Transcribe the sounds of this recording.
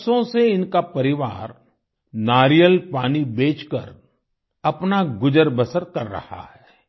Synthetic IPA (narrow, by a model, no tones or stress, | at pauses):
sõseɪnkapɐɾɪʋaːɾ | naːɾijəlpaːnibeːt͡ʃkɐ̰ɾ | ɐpnaɡʊd͡ʒəɾbəsəɾkɐɾːɐ̰ha̰hɛː